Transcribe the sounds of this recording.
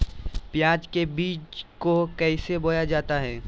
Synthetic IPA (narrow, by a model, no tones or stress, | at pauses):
pjaːd͡ʒkebiːt͡ʃkokɛɪseboːjad͡ʒaːt̪aɦɛː